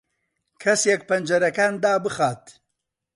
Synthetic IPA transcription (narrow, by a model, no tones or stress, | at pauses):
kʰɐsjɛk̚pɐnd͡ʒɐɾɐkaːnd̪aːbɨxaːt̪